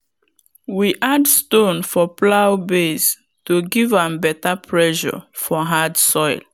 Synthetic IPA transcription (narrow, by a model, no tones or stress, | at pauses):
wiʔadstõnfɔplawbes | toɡivãmbɛtapʰɹɛʃɔ̰fɔɦadsɔɪl